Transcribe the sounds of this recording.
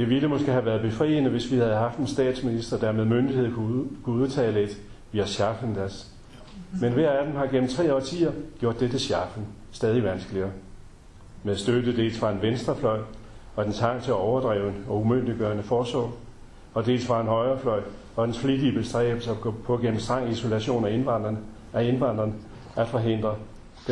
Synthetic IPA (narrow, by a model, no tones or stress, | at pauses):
d̥e̝ʋiləmɔ̽sɡ̥eɦæʋæːɐðˠb̥e̝fʁḭːənəʋe̝sʋihæð̞ˠɦɑ̈fd̥ensd̥ɛ̰ːd̥sminisd̥ɐd̥æɐmeðˠmønd̥ihe̝ð̞̩̰ˠʰkʰuuð̞ˠt͡sʰɛ̰ːle̝d̥ | ʋiæɕɑ̈fən̩d̥æɐs | menʋæɐæd̥emhɑ̈ɡ̥en̰m̩t͡sʰʁɛ̰ːɒ̰ːt͡sʰḭːɐɡ̥jo̝ɐ̰d̥ed̥e̝ɕjɑ̈fn̩ | sd̥ɛːð̞ˠiʋænsɡ̥əliɐː | meðˠsd̥ød̥ð̩d̥e̝̰ːlsfʁɑ̈e̝nʋensd̥ʁɐflɒ̽ɪ̰ | ɒ̽d̥ensʰɑ̈ŋ̰t͡sʰe̝læɒʊɐd̥ʁɛ̰ːʊenɒ̽umøn̰d̥iɡ̥ɶːɐnəfɒːsɒ̰ː | ɒ̽d̥e̝̰ːlsfʁɑ̈e̝nɦɒ̽ɪɐːflɒ̽ɪ̰ | ɒ̽d̥ensfliɡ̥ib̥əsd̥ʁɛ̰ːb̥l̩sɐ̥pʰɒ̽ɡ̥en̰m̩sd̥ʁɑ̈ŋ̰iso̝læɕo̝̰ːnæenɑnd̥ʁɐn | æe̝nʋɑ̈n̰d̥ʁɐnə | æd̥fɒ̽ɦe̝n̰d̥ʁɐ̥